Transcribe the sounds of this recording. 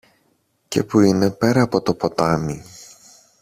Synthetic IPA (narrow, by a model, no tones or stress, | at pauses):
ce̞puine̞pe̞ɾɐːpo̞t̪o̞po̞t̪ɐmi